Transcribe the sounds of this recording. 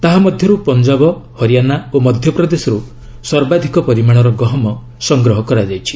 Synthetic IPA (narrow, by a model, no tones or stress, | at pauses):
t̪aɦamɔd̪ʱjɔɾupɔnd͡ʒabɔhɔɾijanaomɔd̪ʱjɔpɾɔd̪esɔɾu | swɔɾbad̪ʱikɔpɔɾimaɽ̃ɔɾɔɡɔɦɔmɔ | sɔŋɡɾɔɦɔkɔɾad͡ʒajt͡ʃʰi̥